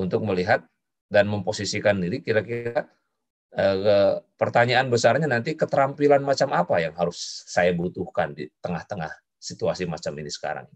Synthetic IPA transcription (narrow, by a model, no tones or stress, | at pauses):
unt̪ʊk̚məliɦat̪̚ | danməmposisikandiɾikiɾakitta | əkəpərt̪aɲaːnbəsarɲanant̪ikət̪əɾampilanmat͡ʃamapajaŋɦaɾʊsːajabut̪uhkandḭt̪əŋaht̪əŋa̰h | sit̪uasimat͡ʃaminisə̥ka̰ɾa̰ŋi